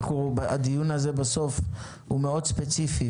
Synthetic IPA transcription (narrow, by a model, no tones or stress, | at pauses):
χubad̪ijunaze̞baso̞f | humeo̞d̪spet͡sifi